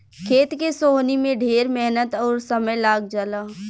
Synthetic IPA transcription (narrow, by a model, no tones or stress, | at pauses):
kʰeːt̪kesoːɦnimẽɖʱeːɾmɛɦnət̪ɔːɾsɐməjlaːɡd͡ʒəlaː